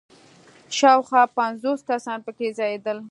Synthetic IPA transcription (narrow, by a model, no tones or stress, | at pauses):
ʃɑwxwɑpanzoskasɑnpəkezɑjed̪əl